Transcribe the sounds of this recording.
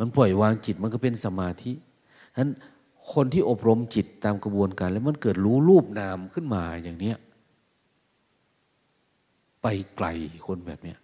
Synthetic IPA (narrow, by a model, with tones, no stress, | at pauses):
ma˧˥npɔ˨˩jwaː˧ŋt͡ɕi˨˩t̪̚ma˧˥˨nkɔ˧˥˩pe˧˨nsa˧maː˧t̪ʰi˦˥ | na˦˥n | kʰo˧nt̪ʰiː˧˥˩ʔo˨˩p̚ɾo˧mt͡ɕi˨˩t̪ːaː˧mka˧bu˧ənkaː˧˨nlɛ˦˥wma˧˥˨nkɤː˨˩t̪̚ɾuː˦˥luː˥˩p̚naː˧mkʰɯ˥˩˨nmaː˧jaː˨˩ŋni˦˥ɐ | pa˨˩jkla̰˨˧˩jkʰo˧nbɛː˨˩p̚ni˦˥ɐʔ